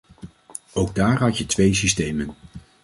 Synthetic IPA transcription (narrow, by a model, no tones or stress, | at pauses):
owɡ̚daːɹɦɑtjətʋejs̬istejmən